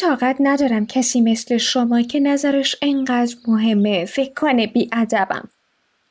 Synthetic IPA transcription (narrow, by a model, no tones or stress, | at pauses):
t̪ʰɒːɣæt̪ʰnæd̪ɒːɾæmcʰæsiːmesle̞ʃomɒːcʰe̞næzæɾeʃeɴɢæːd̪ɾmoɦe̞mːefekʰːonebiːʔæd̪æbæ̰m